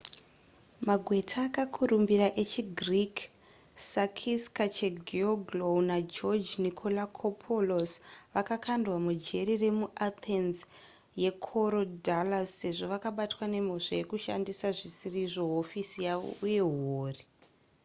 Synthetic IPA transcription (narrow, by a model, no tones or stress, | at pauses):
maɡʱwe̞tʰaːkakʰurumbiɾaʔe̞t͡ʃiɡrik | sakʰiskat͡ʃeɡʱioɡlownad͡ʒod͡ʒnikʰolakʰopʰolosʋakakʰandwamud͡ʒe̞ɾire̞muʔat̪ʰenz | je̞kʰoɾodalasːe̞ʐo̞ʋakaɓatwane̞m̤o̞ʂaje̞kuʃandisaʐisiriʐo̞ɦofisijao̰ʔuje̞ɦoːri